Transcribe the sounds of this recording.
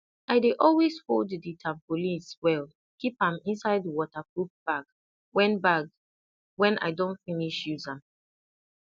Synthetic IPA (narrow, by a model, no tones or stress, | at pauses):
aɪdeʔɔlwesfoldəditʰãmpoliswɛl | kipãmĩnsaɪdəwɔtakup̚b̥ak | wɛ̃nbak | wɛ̃na̰ɪdɔ̃ntfĩniʃjuza